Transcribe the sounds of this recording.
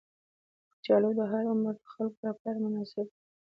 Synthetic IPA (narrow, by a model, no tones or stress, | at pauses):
t͡ʃɑlod̪əɦaɾʊməxalkɾafaɾmʊnɑsɪb̚